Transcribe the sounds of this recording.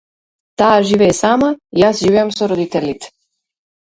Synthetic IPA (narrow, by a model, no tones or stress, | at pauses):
t̪aːʒiːʋeːsaːmajaːsʒiːʋjamsoɾod̪it̪elʲit̪se̥